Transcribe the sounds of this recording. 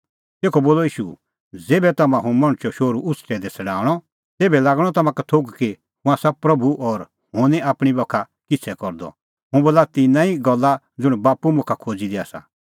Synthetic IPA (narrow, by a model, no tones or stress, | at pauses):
t̪eːkʰɔboːlɔiːʃṵ | d͡zeːbɛt̪ɐmãɦũmɐ̃ɽ̃t͡ʃɔʃoːɾuʔʊt͡sʰʈɛd̪ɛt͡sʰɐɽaːɽ̃ɔ | t̪eːbɛlaːɡɽ̃ɔt̪ɐmãkat̪ʰoɡki | hʊ̃ãsɐb̚pɾɐbuʔɔɾ | hõːniaːpɽ̃ibɔkʰa | kɪt͡sʰɛkɔɾd̪ɔ̰ | ɦʊ̃boːlat̪ɪnãːĩɡɔlːa | d͡zʊɽ̃baːpumʊ̃kʰakʰoːd͡zid̪ia̰ːsa̰